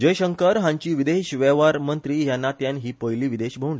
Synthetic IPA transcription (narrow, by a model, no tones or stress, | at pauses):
d͡ʑəjɕəŋkəɾɦãɲt͡ɕiːʋid̪eɕʋɛʋaɾmənt̪ɾiːjanːat̪janɦiːpəjliːʋid̪eɕbʱəwɳli